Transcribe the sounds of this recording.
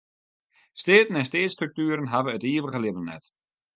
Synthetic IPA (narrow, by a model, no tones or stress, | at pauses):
steːtən̩ɛnsteːstrøk̚tyːəɾənɦavəətiːəʋəɣəlɪbənnɛ̰t